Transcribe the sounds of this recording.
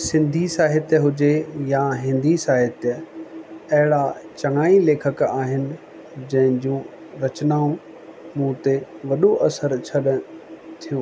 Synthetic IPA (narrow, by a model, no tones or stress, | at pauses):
sɪ̃nd̪ʱisaːɦɪt̪jɦʊd͡ʑejaɦɪ̃nd̪ʱisaːɦɪt̪j | ɐɦɪɽat͡ɕɐŋaːileːkʰəkaːɦɪnɪ̆ | d͡ʑɐ̃ɦɪ̃d͡ʑũ | ɾɐt͡ɕnaːũ | mũːt̪eʋɐɗoʔɐsəɾt͡ɕʰɐɗt̪ʰijũː